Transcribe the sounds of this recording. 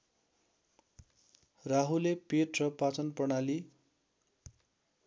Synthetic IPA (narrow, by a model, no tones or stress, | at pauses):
raɦulepeʈrʌpat͡sʌnpʌnali